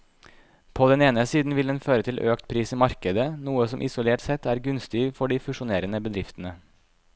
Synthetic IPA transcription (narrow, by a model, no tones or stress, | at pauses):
pʰoːd̪ɛneːnəsiːd̪n̩ʋɪlɛnføːɾət̪ʰɪlʔøːkt̪pʰɾiːsiːmɑɾkəd̪ənuːəsɔmʔɪ̰sʊleːʈsɛt̪ːæːɾɡʉnst̪ɪfɔɖiːfʉʂʊneːɾənəbəd̪ɾɪft̪ənə